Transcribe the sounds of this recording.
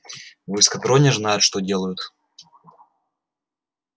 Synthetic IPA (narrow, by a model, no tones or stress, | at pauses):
vɨskɐt̪ɾonʲɪʐnajʊt̪ʂt̪odʲe̞lˠəjʊt̪